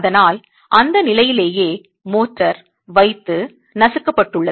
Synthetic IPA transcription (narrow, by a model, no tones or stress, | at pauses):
ðɐnaːl | ʔɐnd̪ɐnɪlɐjɪleːjeː | moːʈrɐɾ | ʋɐɪt̪ːɯ | nɐsɯkːɐpːɐʈːɯɭːɐ